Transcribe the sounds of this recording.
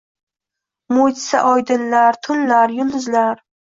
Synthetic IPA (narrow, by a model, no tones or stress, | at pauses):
mojt̪sa̰ʔɒjd̪ɪnlaɾt̪ʰʊnlaɾjʊlˠd̪ʊzlaɾ